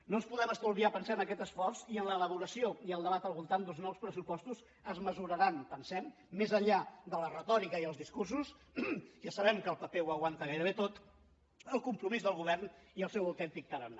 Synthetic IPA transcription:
nonspuðɛməst̪aulˠβiapənsaənəkɛt̪əsfɔrsiənləːləβuɾəsioiəlˠd̪əβat̪əlˠβulˠt̪and̪ulˠznɔwspɾəsupɔst̪uz | əzməzuɾəɾanpənsɛmː | ezəʎad̪ələrət̪ɔɾikəiəlˠzðiskursus | ʒasəβɛmkəːlˠpəpeuwəɣwant̪əɣajɾəβet̪ot̪ | əlˠkumpɾumizðəlˠɣuβ̞ɛrniəlˠsɛwəwt̪ɛnt̪ik̚t̪əɾən

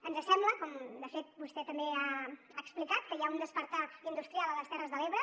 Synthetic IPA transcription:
ənzəsɛmbləkɔmd̪əfet̪̚bust̪ɛt̪əmbea | aːksplikat̪̚kəjaund̪əspəɾt̪aind̪ust̪ɾialˠələst̪ɛrəzðəleβɾə

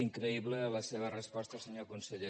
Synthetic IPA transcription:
iŋkɾəiβlələseβ̞ərəspɔst̪əsəɲokunsəʎe

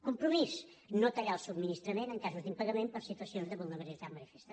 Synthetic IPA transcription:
kumpɾumiz | not̪əɾalˠsubminist̪ɾəmenəŋkazuzd̪impəɣəmempəɾsit̪uəsionzðəβulˠnəβəɾilizaɾmənifest̪ə

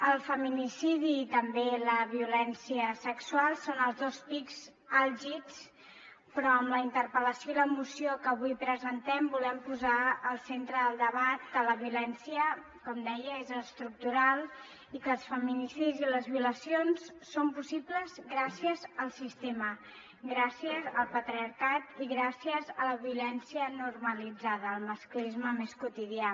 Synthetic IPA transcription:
əlˠfəminisiðiːt̪əmbeləβ̞iulɛnsiəsəksualˠsonəlˠzðospikz̥ | alʒiks | pɾɔəmləint̪ərpələsioiləmusiokəːβ̞ujpɾəzənt̪ɛmbulɛmpuzaəlˠsent̪ɾəðəlˠd̪əβat̪̚ːələβiulɛnsiə | kɔmd̪ɛjəezəst̪ɾuk̚t̪uɾalˠ | ikəlˠsfəminisiziləzβiuləsionsːompusipləzɡɾasiəzəlˠsist̪emə | ɡɾasiəzəlˠpət̪ɾiəɾkat̪iɣɾasiəzələβiulɛnsiənurməlid͡zaðəːlˠməsklizməmeskut̪iðia

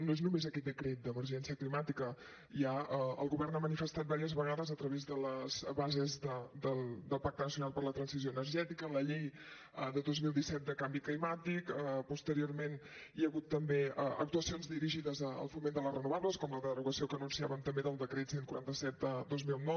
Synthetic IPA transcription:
noeznumezəkɛt̪̚d̪əkɾet̪̚d̪əməɾʒɛnsiəklimat̪ikə | iaəə̰lˠɣuβɛrnamənifəst̪at̪̚baɾiəzβəɣ̞aðəzət̪ɾəβezðələz̥βazezðəd̪əlˠd̪əlˠpak̚t̪ənəsiunalˠpəɾlət̪ɾənsiz̬joənərʒɛt̪ikələʎej | əd̪əðozmilˠd̪isɛt̪̚d̪əkambiklimat̪ikəpust̪əɾiormen | iəɣut̪ːəmbeəə̰k̚t̪uəsionzd̪iɾiʒiðəzəə̰lˠfumend̪ələsrənuβaβləskɔmləðəruɣəsiokəːnunsiaβəmt̪əmbeðəlˠd̪əkɾet̪senkuɾant̪əsɛt̪̚əd̪ozmilˠnɔ

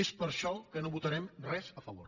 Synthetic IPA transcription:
espəɾʃɔkənoβut̪əɾɛmrɛzəfəβo̰ɾ

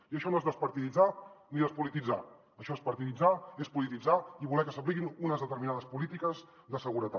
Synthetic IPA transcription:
iəʃɔnoezðəspəɾt̪iðid͡zaniðəspulit̪id͡za | əʃɔespəɾt̪iðid͡zaespulit̪id͡zaiβulɛkəsəpliɣinunəzðət̪əɾminaðəspulit̪ikəz | ðəsəɣuɾət̪a̰

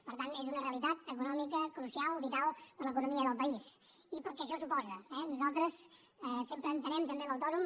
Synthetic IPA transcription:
pəɾt̪anezunəreəlˠit̪at̪əkunɔmikəklusialˠβit̪alˠpəɾləkunumiəðəlˠpəis | ipəɾkɛʃɔsupɔzəɛnuzalˠt̪ɾəs | ɛsempɾəːnt̪ənɛmt̪əmbeləwt̪ɔnum

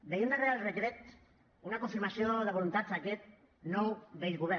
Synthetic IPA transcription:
b̪ejund̪arealˠrəkɾɛt̪ | unakuɱfiɾmasioðəβ̞ulunt̪azakɛt̪̚ | nowbejɣuβɛ

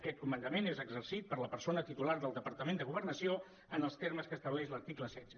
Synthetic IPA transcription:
kɛt̪̚kumənd̪əmenezəɡzərsit̪̚pəɾləpəɾsonət̪it̪ulaɾðəlˠd̪əpəɾt̪əmend̪əɣuβərnəsio | ənəlˠst̪erməskəːst̪əβlɛʃləɾt̪ikləsɛdd͡zə

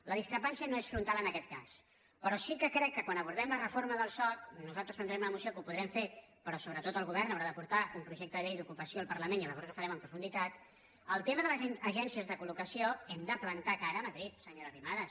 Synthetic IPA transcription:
ləðiskɾəpansiənoesfɾunt̪alˠənəkɛt̪̚kas | pəɾɔsikəkɾɛkːəkwanəβ̞uɾð̞ɛmlərəfoɾməðəlˠsɔt̪nuzalˠt̪ɾəspənd̪ɾɛmunəmusiokupuðɾɛmfe | pəɾɔsoβɾət̪ot̪əlˠɣuβɛrnəwɾaðəpuɾt̪aʔumpɾuʒɛk̚t̪əðəʎejd̪ukupəsioəlˠpərləmeniələβɔɾzufəɾɛməmpɾufund̪it̪at̪ | əlˠt̪eməðələəʒɛnsiəzðəkulukəsioɛmd̪əplənt̪akaɾəːməðɾit̪səɲoɾərimaðə

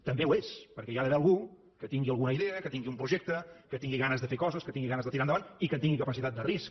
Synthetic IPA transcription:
t̪əmbewespəɾkɛʒaðəβɛəlˠɣu | kət̪iŋɡiəlˠɣunəiðeəkət̪iŋɡiumpɾuʒek̚t̪əkət̪iŋɡiɣanəzðəfekɔzəskət̪iŋɡiɣanəzðət̪iɾanəβanikənt̪iŋɡikəpəsit̪at̪̚d̪ərisk

